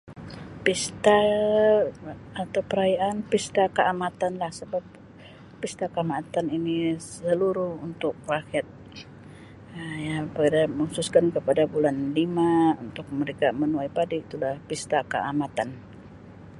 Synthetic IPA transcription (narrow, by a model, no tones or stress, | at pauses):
pist̪a | at̪awpəɾajaʔanpist̪akəʔamat̪anlahsəbap̚ː | ist̪akəamat̪aninisəluɾuunt̪ʊk̚rakiat̪̚ | əjapadaməususkankəpadabulanlimaunt̪ʊk̚məɾekamənuajpadiːt̪ulahpist̪akə̰ʔamat̪an